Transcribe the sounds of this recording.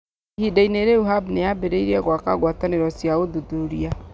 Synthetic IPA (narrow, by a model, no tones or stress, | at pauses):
hidaineɾɛuɦabnejabeɾeiɾiɛɣwaka̰ɡwataneɾɔsiaoduduɾia